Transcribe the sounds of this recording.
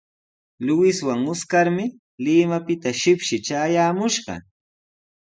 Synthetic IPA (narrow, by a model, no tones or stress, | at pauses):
lʊwɪswaŋʊskaɾmɪ | lɪːmapɪt̪aʃɪpʃɪt͡ʃaːjaːmʊʃɢɑ̰